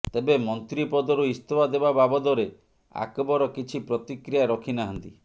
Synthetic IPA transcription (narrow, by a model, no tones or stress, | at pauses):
t̪ebemɔnt̪ɾipɔd̪ɔɾuist̪obad̪ebababɔd̪ɔɾe | a̰kɔbɔɾɔkit͡ʃʰipɾɔt̪ikɾijaɾɔkʰinaɦɔnt̪i